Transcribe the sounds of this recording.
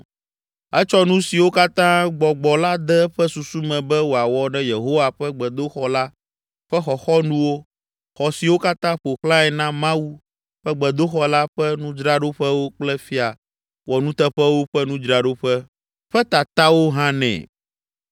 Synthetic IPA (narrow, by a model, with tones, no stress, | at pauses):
ɛ˦t͡ʃɔ˦nũ˦si˨wo˦ka˦t̪ã˦ɡ͡bɔ˨ɡ͡bɔ˨la˦d̪ɛ˦ɸɛ˦su˨su˦mɛ̃˨bɛ˦wo˨a˨wɔ˨ɖɛ˦je˨ɦo˦wa˨ɸɛ˦ɡ͡bɛ˨d̪o˦xɔ˦la˦ | ɸɛ˦xɔ˨xɔ˦nũ˦wo˦ | xɔ˨si˨wo˦ka˦t̪ã˦ɸo˨xlã˦ɛ˨nã˦mã˦u˦ | ɸɛ˦ɡ͡bɛ˨d̪o˦xɔ˦la˦ɸɛ˦nũ˦d͡ʒɾa˦ɖo˦ɸɛ˦wo˦k͡plɛ˦fi˦a˨ | wɔ˨nũ˦t̪ɛ˦ɸɛ˦wo˦ɸɛ˦nũ˦d͡ʒɾa˨ɖo˦ɸɛ˦ | ɸɛ˦t̪a˨t̪a˦wo˦ɦã˦nɛ̰̃˨